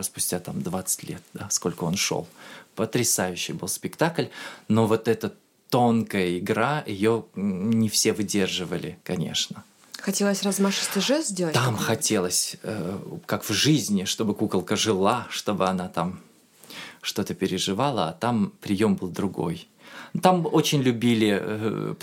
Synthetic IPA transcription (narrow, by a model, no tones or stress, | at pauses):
spʊ̥sʲtʲat̪amd̪vat̪sɨ̥tʲlʲe̞t̪̚d̪̥asko̞lʲkʊo̞nʂo̰lˠpət̪ɾʲɪsajʉɕːɪjbɨlˠspʲɪkt̪aklʲno̞vo̞t̪ɛt̪ə | t̪o̞nkəjəɪɡɾaɪjo̞nʲɪfsʲe̞vɨdʲe̞rʐɨvəlʲɪkɐnʲḛʂnə | xɐtʲelˠəsʲrɐzmaʂɨ̥sʲt̪ʲɪʐɛzʲzʲdʲelˠət̪amxɐtʲe̞lˠəsʲəkakv̥ʐɨzʲnʲɪʂt̪o̞bɨkukəlˠkəʐɨlˠaʂt̪o̞bɨɐnat̪am | ʂt̪o̞t̪əpʲɪɾʲɪʐɨvalˠəat̪ampɾʲɪjo̞mbɨlˠd̪ɾʊɡo̞̰j | t̪amot͡ɕɪnʲlʲʊbʲilʲɪ̰